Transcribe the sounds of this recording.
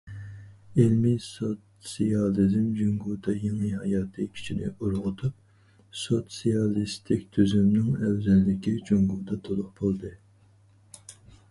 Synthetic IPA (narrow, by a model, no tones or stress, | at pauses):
elmisot̪ | sijɑlˠizmd͡ʒuŋɡuːd̪ʰɑjeŋɨɦɑjɑːt̪ʰɨkʲʰi̥t͡ʃʰinɪ̰uɾʁʊt̪ʰup̚ | sot̪sijɑlˠist̪ʰɪkʲt̪ʰøzymnɪŋɛwzɛlːɪkʲid͡ʒuŋɡuːd̪ɑt̪ʰolˠʊq̚b̥olˠd̪ɨ